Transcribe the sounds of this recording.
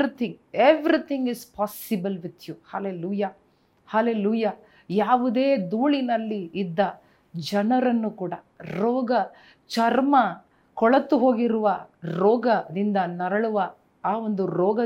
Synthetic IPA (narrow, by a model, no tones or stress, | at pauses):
ɾit̪ʰĩŋeʋɾit̪ʰĩŋɡispʰaːsibɐlʋit̪ʰjuhaːleluːjaː | haːleluːjaː | jaːʋud̪e̞ːd̪uːɭinɐlːiːd̪ːɐ | d͡ʒɐnɐɾɐnːukuːɽɐ | ɾɔːɡɐ | t͡ʃɐɾmɐ | kɔɭɐt̪ːuɦo̞ːɡiɾuʋɐɾɔːɡɐd̪ind̪ɐnɐɾɐɭuʋɐ | aːʋond̪uɾɔːɡɐ